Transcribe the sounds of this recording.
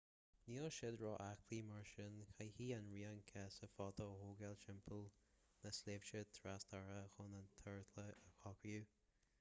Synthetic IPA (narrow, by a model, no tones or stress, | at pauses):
niːɔʃɪd̪ɹɔʔakʰliːmaɹʃɪnxʰajhiːanɹiːankʰɛsəfɔːt̪ʰəhoːɡɛlʃɪmpʰəlnəsleːvʃət̪ʰɾast̪ʰaɹəxʊnənt̪ʰəɹt̪ʰləəxʰɔkju